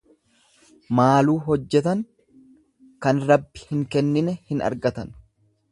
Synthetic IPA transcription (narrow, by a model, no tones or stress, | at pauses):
maːluːɦɔd͡ʒːɛt̪ɐŋ | kɐnɾɐbːɪ̥hɪŋkɛnːɪnɛhɪnɐ̰ɾɡɐt̪ɐn